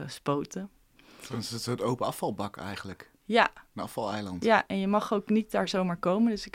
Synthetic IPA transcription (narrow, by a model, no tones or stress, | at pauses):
əspowtə | ɔnɪsətsoətowpəɑfɑlˠbɑkɛ̰jχənlək | jaənɑ̰fɑlˠɛjlɑntjaʔɛnjəmɑχowknit̚daːɹzowmaːɹkowməndɵsɪk